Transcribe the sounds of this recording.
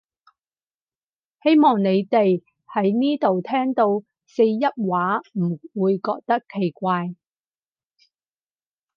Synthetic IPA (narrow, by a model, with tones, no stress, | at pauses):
he˥jmɔː˨˩ŋne˨˧jt̪e˨j | hɐ˨˥jniː˥t̪o˨wt̪ʰɛː˥ŋt̪o˧w | se˧jjɐ˥t̚waː˨˥m̩˨˩wuː˨˧jkɔː˧k̚t̪ɐ˥kʰːe˨˩jkʷaː˧j